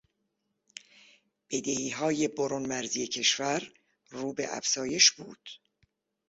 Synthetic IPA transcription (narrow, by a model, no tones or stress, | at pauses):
b̥e̞d̪ehiːɦɒːje̞boɾonmæɾzije̞cʰe̞ʃvæɾ | ruːbe̞̰ʔæ̰fz̥ɒːje̞ʃbṵːd̪̥